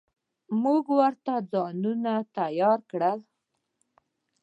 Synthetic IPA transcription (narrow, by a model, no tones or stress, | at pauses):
muɡwəɾt̪ad͡zɑnunat̪ajɑɾkɽəl